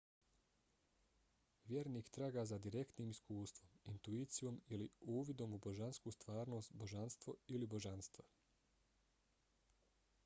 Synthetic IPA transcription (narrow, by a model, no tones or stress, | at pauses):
ʋjeɾniːkt̪ɾaːɡaːzad̪iɾe̞kt̪niːmiskuːst̪ʋomint̪uiːt̪sijo̞miliuːʋid̪o̞mubo̞ʒanskust̪ʋaːɾno̞ːst̪bo̞ʒanst̪ʋo̞ilibo̞ʒanst̪ʋo